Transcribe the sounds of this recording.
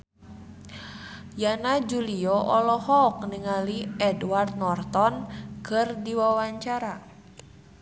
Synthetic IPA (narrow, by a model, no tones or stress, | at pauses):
janad͡ʒuliɔʔɔlɔhɔk̚niŋaliɛduward̪̚nɔrt̪ɔnkɨrdiwawaɲt͡ʃaɾa